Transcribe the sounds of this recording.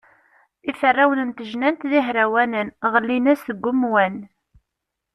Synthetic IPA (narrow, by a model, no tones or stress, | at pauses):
ifərːawənənt̪əʒnænt̪ðiɦɾæwænənʁəlːinæsəɡʷːʊmwæn